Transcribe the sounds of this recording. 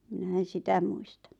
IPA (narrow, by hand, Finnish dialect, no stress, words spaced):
minæ en̞ sitæ muistɑ